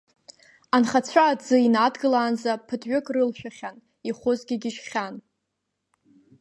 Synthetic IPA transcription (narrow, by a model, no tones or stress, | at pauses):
anχat͡ɕʷʰaːd͡zɨinadɡɨlaːnzapʰɨdʰʼɥʏkʼrɨlʃᶣaχʲan | iχʷʊzɡʲɪɡʲɪʃχʲan